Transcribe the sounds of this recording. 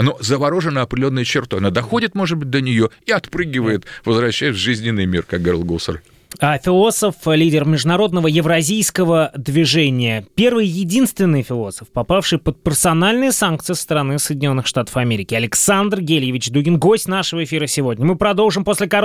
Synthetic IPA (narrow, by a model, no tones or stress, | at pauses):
nozəvɐɾoʐɨnːəɐpɾʲd̪ʲɪlʲonːəjət͡ɕɪrt̪ojɐnad̪ɐxo̞dʲɪt̪mo̞ʐɨd̪̚bɨt̚ʲd̪ənʲɪjo̞iɐt̪pɾɨɡʲɪvəjɪt̪vəzvɾɐɕːæjɪt̪vʐɨzʲnʲɪnːɨjmʲḭrkak̚ɡɐɾʲilˠɡusə̰r | afʲɪlˠo̞səflʲidʲɪrmʲɪʐd̪ʊnɐɾo̞d̪nəvəjɪvɾɐzʲijskəvəd̪vʲɪʐenʲɪjəpʲe̞rvɨjjɪdʲinst̪vʲɪnːɨjfʲɪlˠo̞sə̥fpɐpafʂɨjpət̪̚pʲɪrsɐnalʲnɨjəsank̚t̪sɨɪst̪əɾɐnɨsəjdʲɪnʲo̞nːɨxʂt̪at̪ə̥fɐmʲeɾʲɪkʲɪɐlʲɪksand̪rɡʲelʲjɪvʲɪt͡ɕd̪uɡʲɪnɡosʲtʲnaʂəvəɪfʲiɾəsʲɪvo̞dʲnʲəmɨpɾɐd̪o̞lˠʐɨmposʲlʲɪkɐ